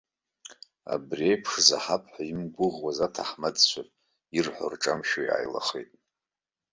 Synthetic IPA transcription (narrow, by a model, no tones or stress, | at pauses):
a̰briejpʰʂzaħapʰħaimɡʷʊʁwazatʰaħmadt͡ɕʷʰatʼ | irħʷʊ̰rʈ͡ʂʼamʃojʕa̰jla̰χḛjtʼ